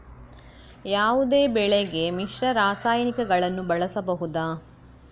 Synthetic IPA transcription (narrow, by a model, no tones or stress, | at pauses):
jaːʋud̪eːbɛɭeɡe̞miʃɾɐɾaːsaːjɐnikɐɡɐɭɐnːubɐɭɐsɐbɐɦud̪aː